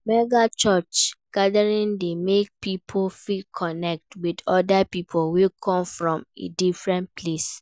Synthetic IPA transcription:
mɛɡat͡ʃɔt͡ʃɡ̥adaɹĩndemek̚pipʰofitkʰɔnɛk̚twidɔdapipʰolwekʰɔ̃mfɹɔ̃mḛdifɹɛ̃npʰles

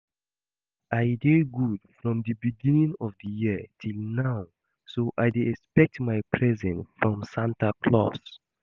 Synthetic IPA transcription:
ʔajdeɡudfɹɔ̃mdəbiɡĩnĩŋɔvdəjiətʰilnaʊ | soʔaɪdeɛkspɛk̚tmaɪpʰɹɛzɛ̃nsfɹɔ̃msãntakʰlɔ̰s

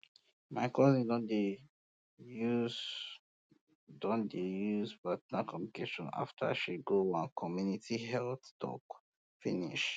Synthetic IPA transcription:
maɪkʰɔzĩdɔ̃nde | juz | dɔ̃ndejuzbatnakɔ̃mpnikʰeʃɔ̃na̰ftʰa̰ʃiɡoãnkʰɔmjunitʰiɦɛlθtʰɔ̰k | finḭʃ

